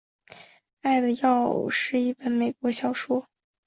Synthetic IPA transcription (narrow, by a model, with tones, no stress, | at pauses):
a˥˩ɪd̪ə˨˩jɑ˥˧ʊʂɻ̩˥˧i˥˩fə˥˩nme˨˩ɪkwɔ˧˥ɕjɑ˥ʊʂwɔ˥